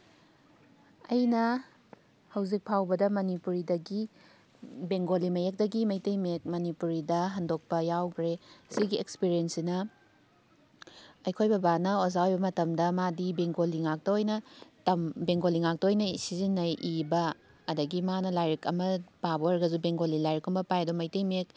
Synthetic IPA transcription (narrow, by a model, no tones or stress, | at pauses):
ɐjnɐ | hɐwzik̚pʰawbɐdɐmɐnipuɾidɐɡi | beŋɡolimɐjek̚dɐɡimɐjtɐjmek̚mɐnipuɾidɐɦɐndok̚pɐjawkʰɾesiɡiekspiɾiensinɐ | ɐjkʰojbɐbanɐozawojbɐmɐtɐmdɐmadibeŋɡoliŋak̚tɐojnɐtɐmbeŋɡoliŋak̚tɐojnɐsizinːɐʔibɐː | dɐɡimanɐlajɾikɐmɐpabooɾɡɐzubeŋɡolilajɾikumbɐpajdomɐjtejmek̚